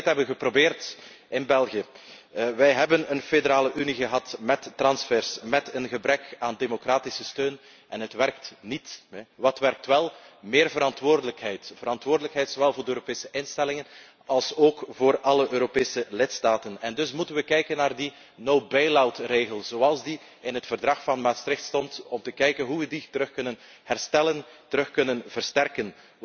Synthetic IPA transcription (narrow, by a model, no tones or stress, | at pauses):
tɦɛbənɣəprobeːrt | ɪnbɛlˠɣiə | ʋɛjɦɛbənənfedəɾaːləʔyniɣəɦɑtmɛtːrɑnsfɛrsmɛtənɣəbɾɛkaːndemokraːtisəstøːn | ɛnɦətʋɛrk̚tnitʋɑtʋɛrk̚tʋɛlˠmeːrvəɾɑntʋoːrdələkɦɛjtv̥əɾɑntʋoːrdələkɦɛjtsoʋɛlˠvoːrdəøːɾopeːsəʔɪnstɛlɪŋən | ɑlˠsoːkvoːrɑləʔøːɾopeːsəlɪtstaːtənɛndɵsmutənʋəkɛjkənːaːrdi | nowbɛjlawtreːɣəlˠz̥oːɑlˠzdi | ɪnɦətfərdrɑxfɑnmaːtstɾɪxtstɔntɔmtəkɛjkənɦuʋəditəɾɵxkɵnən | hɛrstɛləntəɾɵxkɵnənvərstɛrkən